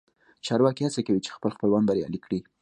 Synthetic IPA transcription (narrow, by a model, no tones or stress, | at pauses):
t͡ʃɑɾwɑkihat͡sakawit͡ʃe̥xpəlxpəlwanbaɾjɑ̰likɽi